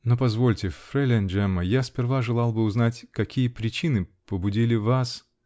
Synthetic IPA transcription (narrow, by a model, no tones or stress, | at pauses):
nopɐzvo̞lʲtʲɪfɾɛlʲɪnʲd͡ʒɛməjaspʲɪrvaʐɨlˠɑlˠbɨʊznatʲkɐkʲijəpɾʲɪt͡ɕinɨpəbʊdʲilʲɪvas